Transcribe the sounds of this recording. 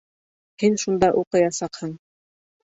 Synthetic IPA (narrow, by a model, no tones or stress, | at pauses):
hinʃund̪ɑʔuqɤ̆jɑsɑqhɤɴ